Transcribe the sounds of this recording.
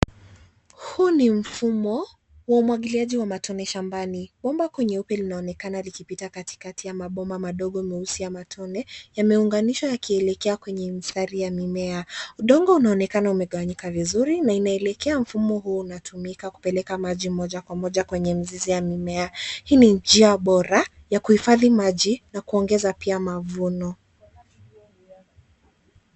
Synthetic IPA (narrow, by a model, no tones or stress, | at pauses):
hunim̩fumɔ | waumwaɠiliaʄiwamatʰɔnɛʃambaniɓɔmbakwɛɲɛupɛlinaɔnɛkanalikipitakati̥katijamaɓɔmbamaɗɔɠɔimɛusiamatʰɔnɛjamɛuŋɡaniʃɔjakiɛlɛkɛakwɛɲɛmisaɾijamimɛauɗɔŋɡɔunaɔnɛkanaumɛɠawaɲikavizuɾinainaɛlɛkɛam̩fumɔɦuːnatumikaku̥pɛlɛkamaʄimɔʄakwamɔʄakwɛɲɛmizizijamimɛahiːnid͡ʒiaɓɔɾa | jakuhifaðimaʄinakuɔŋɡɛzapiamavunɔ